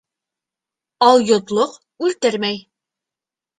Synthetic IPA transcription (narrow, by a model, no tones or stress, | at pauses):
ɑlˠjŏt̪lˠoq | ʉlt̪ɘɾmæj